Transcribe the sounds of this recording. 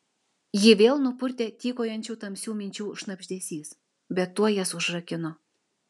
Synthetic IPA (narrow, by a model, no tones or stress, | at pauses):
jɪʋʲeːlˠnʊpʊrʲt̪ʲet̪ʲiːkojɑnʲt͡ʃʲuːt̪ɐmʲsʲuːmʲɪnʲt͡ʃʲuːʃnɐbʲʒʲd̪ʲesʲiːs | bʲɛt̪ːuɔjɛsʊʒrɐkʲɪno